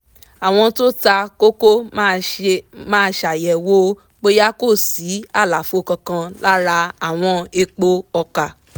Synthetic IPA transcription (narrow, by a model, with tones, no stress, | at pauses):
a˨w̃ɔ̃˧to˦ta˧ko˦ko˦ | mãː˦˧ʃa˨jɛ˨wo˦ | k͡po˦ja˦ko˦˨si˨˦a˦˨la˨fu˨˦o˧kã˧kã˧la˦ɾa˧a˨w̃ɔ̃˧e˧k͡po˦ɔ˧ka˨